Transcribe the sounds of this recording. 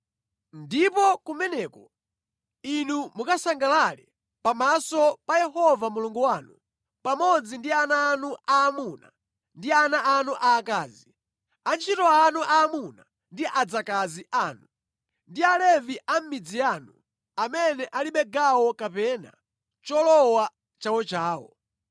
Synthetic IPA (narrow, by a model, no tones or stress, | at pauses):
ndipɔkumɛnɛːkɔ | inumukasaŋɡalalɛ̰ | pamasɔpajɛɦɔvamuluŋɡuwaːnu | pamɔd͡zindianaːnuaːmuːna̰ | ndianaʔːnuʔaːkaːzi | ant͡ʃʰitɔanuʔaːmuna | ndiʔad͡zakaziaːnu | ndialɛviʔam̩mid͡zijaːnu | amɛnɛʔaliɓɛɡawɔkapɛna̰ | t͡ʃɔlɔwa | t͡ʃawɔt͡ʃaːwɔ̰